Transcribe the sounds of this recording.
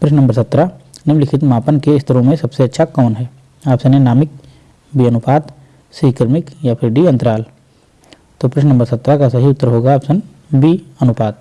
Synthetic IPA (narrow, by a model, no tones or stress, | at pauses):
pɾɪʃ̬nə̃mbəɾsɐt̪ːɾanɪmlɪkʰɪt̪maːpənkeɪst̪ʰəɾõmẽsɐbseɐtːʃʰakɔːnɦɛː | aːpsɐ̃nẽnaːmɪk̚ | biːənʊpaːd̪ | siːkɪɾmɪkjapʰɪɾɖiɐ̃nt̪əɾaːl | t̪oːpɾɪʃnə̃mbəɾsɐt̪ːɾakasɐɦiʊt̪ːəɾɦoːɡaaːpsɐ̃n | bʱiɐnʊpaːd̪̚